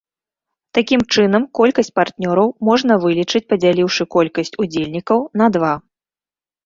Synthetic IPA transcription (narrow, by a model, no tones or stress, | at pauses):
t̪akʲimt͡ʂɨnɐmkɔlʲkɐsʲt͡sʲpart̪nʲɔɾɐwmɔʐnɐvɨlʲit͡ʂɨt͡sʲpɐd͡zʲalʲiwʂɨkɔlʲkɐsʲt͡sʲud͡zʲelʲnʲikɐwnɐd̪va